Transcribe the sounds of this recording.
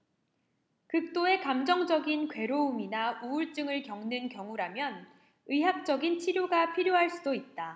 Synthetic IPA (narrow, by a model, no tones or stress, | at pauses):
kɯk̚t͈oe̞kamd͡ʑʌŋd͡ʑʌɡinkwe̞ɾouminauuɭt͡ɕ͈ɯŋɯɭkjʌŋnɯnkjʌŋuɾamjʌn | ɯɦak̚t͡ɕ͈ʌɡint͡ɕʰiɾjoɡapʰiɾjoɦaɭs͈udoit̚t͈a